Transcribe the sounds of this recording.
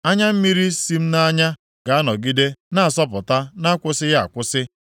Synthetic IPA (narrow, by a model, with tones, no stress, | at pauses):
a˦ɲa˦m̩˦mi˦ɾi˦si˦m̩˦na˦ɲa˦ | ɡ̥a˨a˦nɔ˨ɡi˦de˦na˦a˨sɔ˦p̬ʊ˨ta˦na˦kʷʊ˦sɪ˦ja̰˨kʷʊ˦sɪ˦